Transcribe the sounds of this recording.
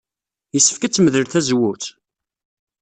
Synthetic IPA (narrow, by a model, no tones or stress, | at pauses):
jəsːə̥fkæt͡sːmðəɾθæzwuθ